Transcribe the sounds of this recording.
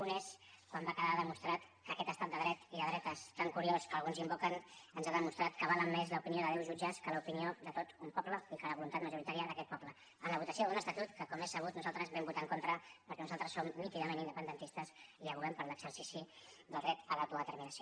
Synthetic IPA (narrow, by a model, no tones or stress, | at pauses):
uneskwambakəðaðəmust̪ɾat̪kəkɛt̪əst̪at̪d̪əðɾɛt̪iəðɾɛt̪əst̪aŋkuɾioskəlˠɣunzimbokənənzaðəmust̪ɾat̪kəβaləmːezləupinioðəðɛwʒud͡ʒəskələupinioðət̪ot̪umpɔbləikələβulunt̪at̪məʒuɾit̪aɾiəðəkɛt̪̚pɔplə | ənləβut̪əsioðunəst̪ət̪ut̪kəkɔmesəβ̞ut̪nuzalˠt̪ɾəzβɛmbut̪aŋkont̪ɾəpəɾkɛnuzalˠt̪ɾəsːomːik̪iðəmenind̪əpənd̪ənt̪ist̪əsiəβuɣɛmpəɾləɡsəɾsisid̪əlˠd̪ɾɛt̪əlawt̪uðət̪əɾminəsio